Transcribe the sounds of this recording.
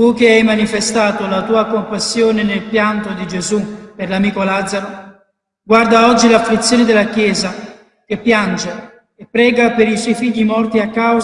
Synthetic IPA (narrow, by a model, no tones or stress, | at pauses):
t̪uk̟eajmanifest̪aːt̪olat̪uːakompasːjoːnenelpjant̪od̪id͡ʒezuperlamiːkolad̪zːaɾo | ɡward̪aɔd͡ʒːilaflit̪sːjoːnɪd̪elːakjɛːza | kepːjand͡ʒe | epːɾɛːɡapeɾiswɔjfiʎːimɔrt̪iakːaw